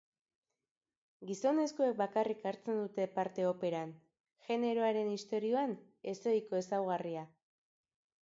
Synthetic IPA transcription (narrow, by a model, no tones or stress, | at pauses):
ɡiso̞ne̞skuek̚bakarikaɾt͡se̞nd̪ut̪e̞paɾt̪e̞o̞pe̞ɾan | ʝe̞ne̞ɾo̞aɾe̞nist̪o̞ɾio̞an | e̞so̞jko̞e̞sawɣ̞aria